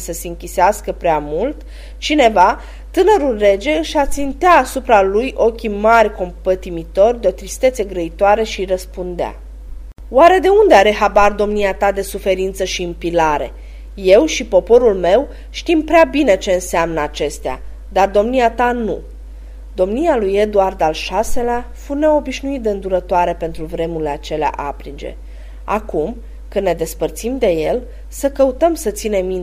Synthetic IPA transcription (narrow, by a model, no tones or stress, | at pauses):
səse̞ɨŋkʲiseaskəpɾeamult̪ | t͡ʃine̞va | t̪ɨnəɾulre̞d͡ʒe̞ɨʃat̪sint̪eaːsupɾalujʔo̞kʲimarʲko̞mpət̪imit̪o̞rʲd̪eo̞t̪ɾist̪e̞t̪seɡɾəit̪oaɾe̞ʃirəspund̪ea̰ | waɾe̞d̪e̞und̪eaɾe̞ɦabard̪o̞mniat̪ad̪e̞sufe̞ɾint̪səʃiɨmpilaɾe̞̰ | je̞wʃipo̞po̞ɾulme̞w | ʃt̪impɾeabine̞t͡ʃe̞ɨnseamnəat͡ʃe̞st̪ea̰ | d̪ard̪o̞mniat̪anu | d̪o̞mnijaluje̞d̪uard̪alʃase̞leafune̞o̞biʃnuit̪̚d̪e̞ɨnd̪uɾət̪oaɾe̞pe̞nt̪ɾuvɾe̞muileat͡ʃe̞lea̰ʔa̰pɾid͡ʒe̞̰ | a̰kum | kɨnːe̞d̪e̞spərt̪simd̪e̞je̞l | səkəut̪əmsət̪sine̞mːin